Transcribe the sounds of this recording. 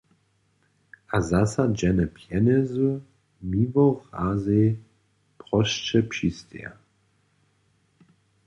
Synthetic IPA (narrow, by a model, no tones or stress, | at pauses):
azasad͡ʒɛnəpʰjɛnɛzu | mivɔʁaze | pʁɔʃt͡ʃɛpʃistʰɛ̰